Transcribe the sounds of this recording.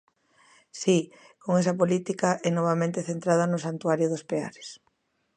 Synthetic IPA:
si | koŋɛs̬ɐpolit̪ikɐʔɛnɔβ̞amẽnt̪eθent̪ɾað̞ɐnʊsant̪uaɾjʊðʊspea̰ɾe̥s

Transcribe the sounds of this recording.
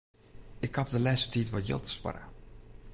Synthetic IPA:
ɪkhafdəlɛsə̥titʋɔtjɪ̰lˠtʰə̥spa̰rə̰

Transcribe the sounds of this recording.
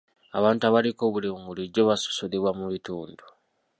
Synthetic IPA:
aβaːntuaβaliko̞ːβuleŋɡuliɟoβaso̥soleβwamuβituːndu

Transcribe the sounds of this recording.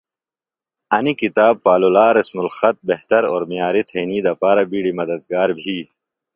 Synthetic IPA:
ɐnikit̪aːb̚paːlolaːɾɐsmulxɐt̪̚beɦt̪ɐɾoːɾmijaːɾit̪ʰeːnid̪ɐpaːɾɐbiːɽimɐd̪ɐd̪̚ɡaːɾbʱiː

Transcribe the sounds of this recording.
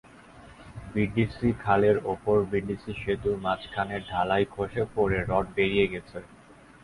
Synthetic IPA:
biɖisikʰaleɾopoɾbiɖisiʃet̪umat͡ɕkʰaneɖʱalajkʰoʃepoɾeɾɔʈ̚beɾijeɡɛt͡ɕʰe

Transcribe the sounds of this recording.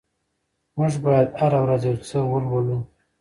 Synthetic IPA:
mʊʐbɑjad̪haɾawɾazeɾt͡səwəlwolu

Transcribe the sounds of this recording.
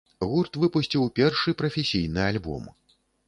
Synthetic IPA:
ɣurt̪vɨpusʲt͡sʲiwpʲɛrʂɨpɾɐfʲesʲijnɨalʲbɔ̰m

